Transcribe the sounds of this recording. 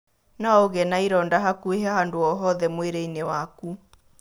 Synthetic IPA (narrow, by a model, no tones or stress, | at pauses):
naoɣɛnaiɾɔːndaɦakueɦaɦandoɔɦɔðɛmweɾeinewaku